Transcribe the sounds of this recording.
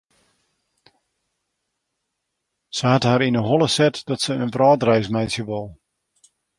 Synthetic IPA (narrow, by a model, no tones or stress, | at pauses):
səɦathaɾinəɦolˠəsɛtdɔtsəənbrɔːdrɛjsmɛjsjəʋɔlˠ